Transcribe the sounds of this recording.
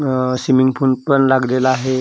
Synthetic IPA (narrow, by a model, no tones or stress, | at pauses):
simiŋɡpʰunpəɳlaɡlelaaɦe